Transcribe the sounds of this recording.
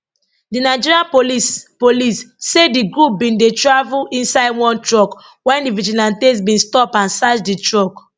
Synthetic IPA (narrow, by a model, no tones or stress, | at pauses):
dinaɪd͡ʒiɹiãnpolispolisːediɡɹup̚bĩndetɹavulĩnsaɪdwɔ̃ntɹɔk | wɛ̃ndivid͡ʒilãntes̬bĩnstɔpãnsat͡ʃditɹɔk